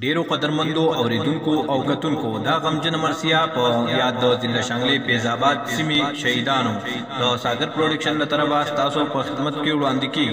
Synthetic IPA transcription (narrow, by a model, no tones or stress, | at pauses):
ɖeːɾoqɐd̪əɾmɐnd̪oʔɐwɾeːd̪uŋkoʔawkɐt̪uŋkod̪aɣɐmd͡ʒɐnamɐɾsijapəjaːd̪ːəzɪnd̪aʃaːŋɡlepeːzaːbaːd̪simeʃɐɦid̪aːno | d̪əsaːɡɐɾpɾoɖɐkʃɐnlɐt̪ɐɾɐbast̪aːsopəxɪd̪mɐt̪kewɽaːnd̪ikeːɡi